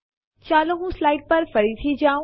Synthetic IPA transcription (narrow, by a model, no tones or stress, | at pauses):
t͡ʃaːloɦũslaːɪɖ̚pɐɾfɐɾit̪ʰid͡ʒaːũ